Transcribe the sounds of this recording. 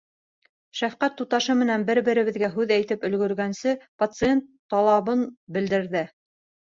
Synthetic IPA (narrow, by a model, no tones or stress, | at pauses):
ʃæfqæt̪ːut̪ɑʃɤmɘ̆nænbɘɾbɘ̆ɾɘ̆βɘ̆ðɡæɦʉðæjt̪ɘpɵ̆lɡɵ̆ɾɡænsɘpɐt̪sɨent̪ːɑlˠɑβɤnbɘ̆ld̪ɘ̆ɾðɘ